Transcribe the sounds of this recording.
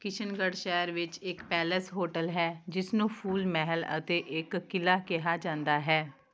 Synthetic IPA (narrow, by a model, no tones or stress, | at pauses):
kɪt͡ʃʰənɡəɽʃɛːəɾʋɪt͡ʃɪkpɛːləsɦoːʈəlɦɛːd͡ʒɪsnũːpʰuːlmɛɦələ̰t̪eːʔɪkːɪlaːkɪɦaːd͡ʒãːnd̪aːɦɛː